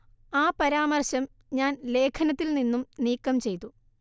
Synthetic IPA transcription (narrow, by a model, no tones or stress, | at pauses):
aːpɐɾaːmɐrɕɐm | ɲaːnle̞ːkʰɐnɐt̪ːilninːumniːkːɐmt͡ɕe̞jt̪ːu